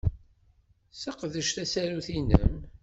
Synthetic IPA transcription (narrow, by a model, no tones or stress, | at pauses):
səqðəʃθæsæɾuθinə̰m